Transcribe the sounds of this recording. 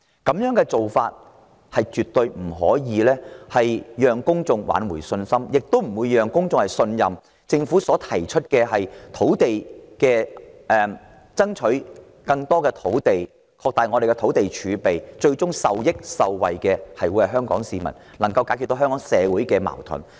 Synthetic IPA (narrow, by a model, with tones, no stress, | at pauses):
kɐ˨˥mjœː˨˥ŋkɛː˧t͡so˨wfa̰ː˧t̚ | hɐ˨jt͡ʃyː˨t̪ːɵ˧ɥm̩˨˩ɦɔ̰ː˨˥jiː˨˧lɛː˥hɐ˨jjœː˨˩ŋkʊ˥ŋt͡sʊ˨˧ŋwa̰ː˨˥nwuː˨˩jsɵ˧nsɐ˥mjɪ˨k̚t̪o˥wm̩˨˩wuː˨˧jjœː˨ŋkʊ˥ŋt͡sʊ˨ŋhɐ˨˩jsɵ˧njɐ˨m | t͡sɪ˧ŋfuː˨˥sɔː˨˥t̪ʰɐ˨˩jt͡ʃʰɵ˥t̚kɛː˧hɐ˨jt̪ʰo˨˥wt̪e˨jkɛː˧ʔɛ˧m | t͡sɐ˥ŋt͡ʃʰɵ˨˥ɥ | kɐ˧ŋt̪ɔː˥kɛː˧t̪ʰo˨˥wt̪e˨j | kʰɔː˧k̚t̪aː˨jŋɔ˨˧ɾe˨jkɛ˧t̪ʰo˨˥wt̪e˨jt͡ʃʰyː˨˧pe˨jt͡ʃɵ˧ɥt͡sʊ˥ŋsɐ˨wjɪ˥k̚sɐ˨wwɐ̰˨jkɛː˧hɐ˨jwuː˨˧˥jhɐ˨˩ɦœː˥ŋkɔ̰ː˨˥ŋsiː˨mɐ̰˨˩n | lɐ˨˩ŋkɐ˧wkaː˧˥kʰy˧t̪ːo˧wɦœː˥ŋkɔː˨˥ŋsɛː˨˧wuː˨˥jkɛː˧ma̰ː˨˩wt̪ʰʊ̰˨˩n